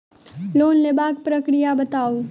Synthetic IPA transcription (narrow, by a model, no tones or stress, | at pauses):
loːnlebaːk̚pɾəkɾijabɐt̪aːo